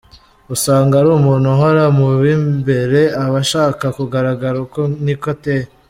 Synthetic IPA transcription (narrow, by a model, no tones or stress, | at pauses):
usaːŋɡaɾuːmuːnhuɦoɾamuβimbe̞ɾe̞aβaʃaːkakuɡaɾaɡaɾakonikote